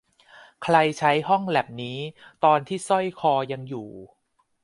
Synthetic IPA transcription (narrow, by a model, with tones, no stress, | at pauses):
kʰɾa˧jt͡ɕʰa˦˥jɦɔ˥˩ŋlɛː˨˩p̚niː˦˥t̪ɔː˧nt̪ʰiː˥˩sɔ˥˩jkʰɔː˧ja˧ŋjuː˨˩